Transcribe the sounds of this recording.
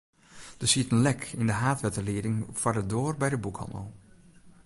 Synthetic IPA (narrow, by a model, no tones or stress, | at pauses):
d̥əsiətənlɛkʰɪndəɦaːtʋɛtəlɪːdɪŋfaɹdədoːrbɛjdəbukhɑ̰̃ndə̰lˠ